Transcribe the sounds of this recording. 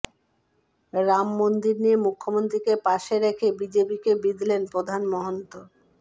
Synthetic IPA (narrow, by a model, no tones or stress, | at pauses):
ɾamːond̪iɾniemukʰːomont̪ɾikepaʃeɾekʰebid͡ʑepikebid̪ʱlenpɾod̪ʱanmɔɦont̪o